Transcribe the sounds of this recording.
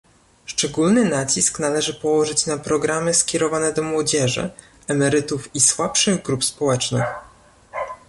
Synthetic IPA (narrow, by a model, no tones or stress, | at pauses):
ʂt͡ʂɛɡulnɘnat͡ɕisknalɛʐɘpɔwɔʐɘt͡ɕnapɾɔɡɾamɘskʲɛɾɔvanɛd̪ɔmwɔd͡ʑɛʐɘ̰ | ɛmɛɾɘt̪ufiswapʂɘɣɡɾupspɔwɛt͡ʂnɘ̰x